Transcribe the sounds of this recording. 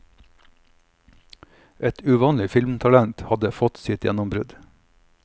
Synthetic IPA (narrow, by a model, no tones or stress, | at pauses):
ʔɛt̪ʉʋɑːnlɪfɪlmt̪ʰɑlænt̪hɑd̪əfɔt̪sɪt̪jɛ̰nʊmbɾʉd̪